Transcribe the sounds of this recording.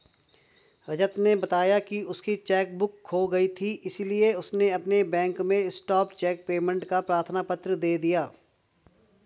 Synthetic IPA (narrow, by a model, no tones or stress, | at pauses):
ɾɐd͡ʒət̪nebɐt̪aːjakiʊskit͡ʃɛːk̚bʊkːoɡɐit̪ʰiʔɪsilieʊsneɐpnebɛ̃ːŋkmẽɪsʈɔːpt͡ʃɛːk̚peːmə̃ɳʈkapɾaːɾt̪ʰənaːpət̪ɾəd̪eːd̪ijaː